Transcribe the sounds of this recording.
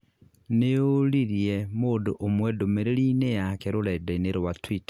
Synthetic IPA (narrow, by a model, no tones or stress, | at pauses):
neoliɾijemodoʔomwɛdomeɾelinejakeɾoledaineɾowatwitḁ